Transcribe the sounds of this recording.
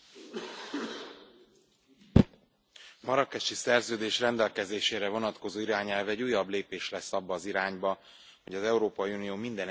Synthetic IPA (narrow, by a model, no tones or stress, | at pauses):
mɒɾɒkɛʃisɛrzøːd̪eːʃrɛnd̪ɛlkɛzeːʃeːɾɛvo̞nɒt̪ko̞zoːiɾaːɲɛlvɛɟujːɒbleːpeːʃlɛsːɒbːɒːziɾaːɲbɒ | ho̞ɟɒzɛuɾoːpɒjiuːnijoːmind̪ɛn